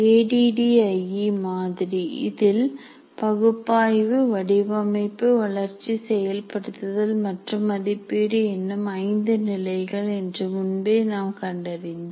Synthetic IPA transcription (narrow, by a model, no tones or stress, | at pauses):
eːɖiːɖiɐɪimaːðɪɾiɪ̰ðɪl | pɐɣɯpːaːjʋɯʋɐɽɪʋɐmɐɪpːɯʋɐɭɐɾt͡ʃːisɛjɐlpɐɽɯt̪ːɯðɐlmɐʈrɯmɐðɪpːeːɽɯɛnːɯmɐɪnd̪ɯnɪlɐɪɣɐɭɛndrɯmʊnbeːnaːmkɐɳɖɐɾɪnd̪ɐ